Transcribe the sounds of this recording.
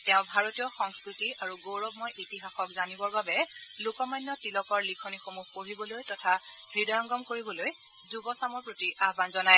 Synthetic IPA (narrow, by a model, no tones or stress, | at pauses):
tɛʊ̃bʱaɹotijɔxɔŋskɹitiaɹuɡowɹɔbmɔjʔitiɦaxɔkzanibɔɹbabɛ | lokɔmajnːɔtilɔkɔɹlikʰonixomuxpoɹibɔlojtɔtʰa | ɹidɔjɔŋɡɔmkoɹibɔloj | zubɔsamɔɹpɹotiʔaɦbanzɔnaj